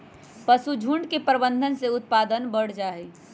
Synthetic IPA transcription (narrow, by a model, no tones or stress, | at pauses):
pəsud͡ʒʱũɳɖkepəɾbənd̪ʱənseʊt̪̚paːd̪ənbəɽ̤d͡ʒaːɛ